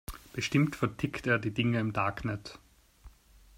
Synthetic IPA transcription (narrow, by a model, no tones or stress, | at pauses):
b̥əʃtɪmtfɛɐtʰɪkteːɐdiːdɪŋəɪmdaɐknɛt